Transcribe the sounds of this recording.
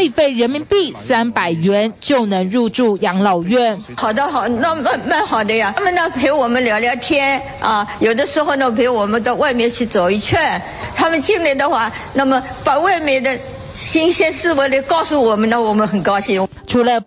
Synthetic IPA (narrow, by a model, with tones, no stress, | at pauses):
i˥˩fe˥˩ɪɻə˧˥nmi˧˥ŋpi˥˩sa˥npa˨˩ɪɥɛ˧˥nt͡ɕjo˥˩ʊnɤ˧˥ŋɻu˥˧ʈ͡ʂu˥˩jɑ˧˥ŋlɑ˨˩ʊɥɛ˥˩n | xɑ˨˩ʊd̪ə˦xɑ˨˩ʊna˥˧ma˥˧ma˥˩nxɑ˨˩ʊd̪ə˦ja˨˥mə˨nə˨pʰe˧˥ɪwɔ˨˩mə˦nljɑ˧˥ʊljɑ˧˥ʊt̪ʰjɛ˥n | ɐ˥˨jo˨˩ʊd̪ə˦ʂɻ̩˧˥xo˥˧ʊnə˨˩pʰe˧˥ɪwɔ˨˩mə˦nd̪ə˧wa˥˧ɪmjɛ˥˧nt͡ɕʰy˥˩t͡so˨˩ʊi˧˥t͡ɕʰɥɛ˥˩n | t̪ʰa˥mə˨nt͡ɕi˥˧ŋli˥˩d̪ə˨xwa˥˩na˥˩mə˨ | pa˨˩wa˥˩ɪme˧˥˩d̪ə˧ | ɕi˥ŋɕjɛ˥nsɹ̩˥˧wə˧˥li˥˧˩kɑ˥˧ʊsu˥˩wɔ˨˩mə˦nə˨wɔ˨˩mə˦nxə˨˩nkɑ˥ʊɕi˥ŋ | ʈ͡ʂʰu˧˥lə˧